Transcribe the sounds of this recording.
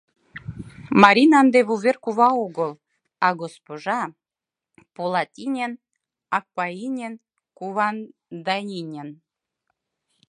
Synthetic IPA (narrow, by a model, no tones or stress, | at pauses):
mɑɾʲinɑnd̪eβuβerkuβɑoɣɤlˠ | ɑɡospoʒɑ | polˠɑtʲinʲen | ɑk̚painʲen | kuβɑnd̪ɑnʲinʲen